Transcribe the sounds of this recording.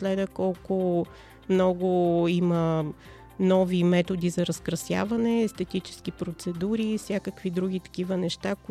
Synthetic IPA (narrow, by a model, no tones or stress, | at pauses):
slɛd̪əkɔlˠkʊ | mnɔɡʊimə | nɔvimɛt̪od̪izɐɾəskɾɐsja̰vɐnɛːst̪ɛt̪it͡ʃɛ̥skipɾot̪sɛd̪uɾifsʲjakəkvid̪ɾuɡ̟it̪ɐ̥k̟ivənɛʃt̪ak